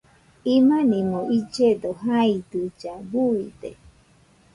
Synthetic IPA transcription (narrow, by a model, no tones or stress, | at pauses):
imanĩmoʔid͡ʒed̪oɦaid̪ɨd͡ʒabuid̪e